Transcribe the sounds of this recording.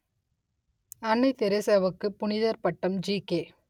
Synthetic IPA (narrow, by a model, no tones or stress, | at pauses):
ɐɳːɐɪt̪ɛɾɛsɐʋɐkːɯpʊnɪðɐɾpɐʈːɐmd͡ʒiːkeː